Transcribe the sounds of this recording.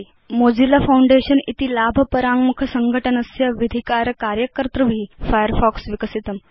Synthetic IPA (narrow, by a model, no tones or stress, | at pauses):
mod͡ʑilafawɳɖeɕənḭt̪iːlabʱəpəɾaŋmukʰəsəŋɡʱəʈənəsjaʋid̪ʱikaɾəkaɾjəkəɾt̪ɾəbʱiːfajəɾfɔksʋikəsit̪əm